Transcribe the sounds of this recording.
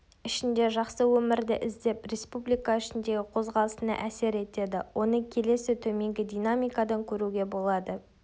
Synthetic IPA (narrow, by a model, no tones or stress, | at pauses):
ɪʃɪnd̪e̞ʒɑqsəwɵmɪɾd̪ɪʔɪzd̪e̞prʲe̞spublijkaɪʃɪnd̪e̞ɡʲɪqʰo̞zʁɑlˠəsənɑ̰ʔæse̞ɾe̞t̪e̞d̪ɪwʔo̞nəkʲʰe̞le̞sɪt̪ʰɵme̞ŋɡʲɪd̪ʲijnamijkad̪ɑŋkʲʰɵɾuɡʲe̞bo̞lˠɑd̪ə